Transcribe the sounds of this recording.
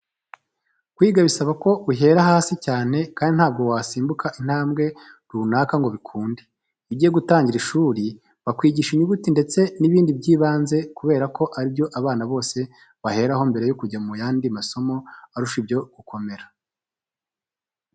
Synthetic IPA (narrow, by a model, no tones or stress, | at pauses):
kwiːɡaβisaβako̞uɦe̞ːɾahaːsicaːne̞kaːndin̥haːb̚ɡo̞waːsiːmbukʰaʔin̥haːmɡe̞ | ɾuːnaːkaŋɡo̞βikʰuːnde | iβɟiːjeɡutaːɲɟiɾiʃuɾi | βakwiːɟiʃiɲuɡutinde̞t͡se̞niβiːndibɟiːβaːnze̞kuβe̞ːɾakʰo̞ʔaɾibjo̞ʔaβaːnaβo̞ːse̞ | βahe̞ːɾahombe̞ɾe̞jokuɟamujaːndimaso̞mo̞aɾuʃibjo̞ɡ̥ukʰo̞me̞ɾḁ